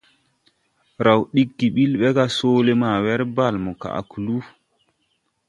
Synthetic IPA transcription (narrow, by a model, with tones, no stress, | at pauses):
ɾa˨wɗi˦ɡːi˨ɓi˦lɓɛ˦ka˦soː˦le˦ma˨wɛ˦ɾba˨lmɔ˨ka̰˨ʔa̰˨ku˨lu˦